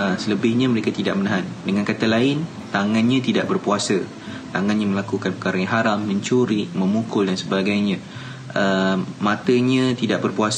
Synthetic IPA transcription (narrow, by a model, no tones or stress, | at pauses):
əsələbɪhɲãməɾekat̪idaʔmənaɦandəŋãnkat̪alaɪn | t̪aŋãnɲãt̪idaʔbərpuasə | t̪aŋãnɲaməlakukanpəkaɾajãŋɦaɾamːə̃ɲt͡ʃuɾimə̃mukʊldansəbaɡajɲã | ʔəmãt̪əɲãt̪idaʔbərpuas